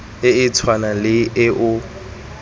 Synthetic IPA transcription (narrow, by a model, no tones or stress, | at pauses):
ɪɪt͡sʰwanalɪɪʔʊ